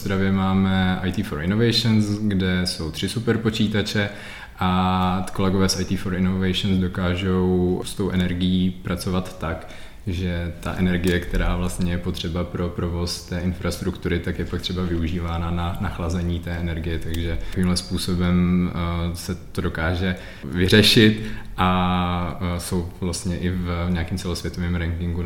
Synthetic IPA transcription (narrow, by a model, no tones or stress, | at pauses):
sd̪ɾavjɛmaːmɛʔajt̪iːfoɾʔɪno̞vɛjʃɛnsɡdɛso̞wt̪r̥ɪsupɛɾpo̞t͡ʃiːt̪at͡ʃɛ | ʔako̞lɛɡovɛːsʔajt̪iːfoɾɪnovɛjʃnsdo̞kaːʒowst̪o̞wʔɛnɛɾɡɪjiːpɾat͡so̞vat̪ːak | ʒɛt̪a̰ʔɛnɛɾɡɪjɛkt̪ɛɾaːvlast̪ɲɛjɛpot̪r̝̥ɛbapɾo̞pɾo̞vo̞st̪ɛːʔɪnfɾast̪ɾukt̪uɾɪt̪akjɛpak̚t̪r̝̥ɛbavɪuʒiːvaːnananaxlazɛɲiːt̪ɛːʔɛnɛɾɡɪjɛt̪aɡʒɛviːmɦlɛspuːso̞bɛm | sɛt̪odo̞kaːʒɛ | vɪr̝ɛʃɪt̪ʔa | so̞wvlast̪ɲɛʔɪvɲaːkɪmt͡sɛlosvʋjɛt̪o̞vɛːmɾɛŋkɪŋɡu